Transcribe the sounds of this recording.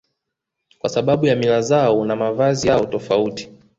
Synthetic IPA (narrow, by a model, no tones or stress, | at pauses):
kwasaɓaɓujamilazaɔnamavazijaɔtɔfauti̥